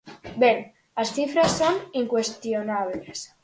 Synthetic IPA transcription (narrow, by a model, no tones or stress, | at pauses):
beŋ | asθifɾasːoniŋkwest̪jonaβ̞les